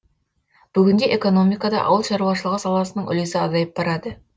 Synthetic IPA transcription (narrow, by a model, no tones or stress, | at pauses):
b̥ʏɡʲɪnd̪e̞ʔeko̞no̞mijkɑd̪ɑ̰ʔɑ̰wəlˠʃɑɾuwɑʃ̬əlˠəʁəsɑlˠɑsənəɴʏ̰lezɪɑzɑjəp̚bɑɾɑd̪ə